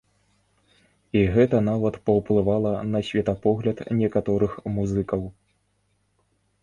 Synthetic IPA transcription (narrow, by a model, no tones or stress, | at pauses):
iɣɛt̪ɐnavɐt̪pɐwplˠɨvalˠɐnɐsʲvʲɛt̪ɐpɔɣlʲɐt̪nʲɛkat̪ɔɾɨxmuzɨkɐw